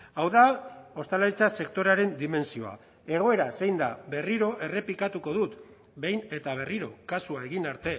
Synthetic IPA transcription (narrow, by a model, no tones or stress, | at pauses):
awðao̞st̪aleɾit͡sase̞kt̪o̞ɾaɾe̞nd̪ime̞nsio̞a̰ | e̞ɣ̞o̞e̞ɾase̞jnd̪aβe̞riɾo̞ʔe̞re̞pikat̪uko̞ðut̪ | be̞jne̞t̪aβ̞e̞riɾo̞kasuae̞ɣinaɾt̪e̞